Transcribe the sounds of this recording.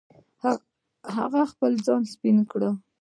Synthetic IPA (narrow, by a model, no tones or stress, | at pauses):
h | ha̰ɣaxpəld͡zɑnspinkɽə